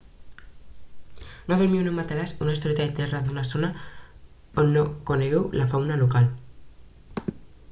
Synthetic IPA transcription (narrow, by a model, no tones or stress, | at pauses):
nokeɾmiewnemat̪alasunaist̪oɾet̪aet̪eraðunasona | onːokoneɣewlafawnalokal